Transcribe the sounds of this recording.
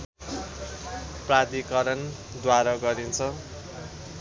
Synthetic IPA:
prad̪ikʌɾʌn | d̪waɾʌɡʌɾint͡sʰʌ

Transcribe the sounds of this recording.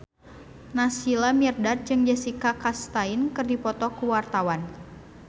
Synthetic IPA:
nasilamirdat̪̚d͡ʒɨŋd͡ʒɛsikakast̪ainkɨrdipɔt̪ɔkuwart̪awan

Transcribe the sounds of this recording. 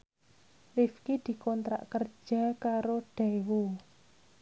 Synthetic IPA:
rifkid̪̥i̤kɔnt̪ɾa̰ʔkər̥ʒ̥a̤kaɾoɖ̥awo

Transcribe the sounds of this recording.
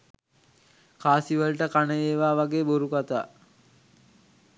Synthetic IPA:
kaːsiʋəlʈəkanəjeːʋaːʋaɡeːboɾukat̪a̰ː

